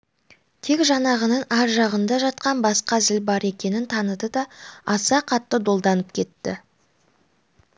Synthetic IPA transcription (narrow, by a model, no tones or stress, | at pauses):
t̪ʰe̞kʒɑnɑʁənɑnæɾʒɑʁənd̪ɑʒɑt̪̚qɑnbɑsqɑzɪlbɑɾe̞kʲe̞nɪnt̪ʰɑnəd̪əd̪ɑɑsɑqʰɑt̪ːəd̪o̞lˠd̪ɑnəp̚kʲʰe̞t̪ːɪ̰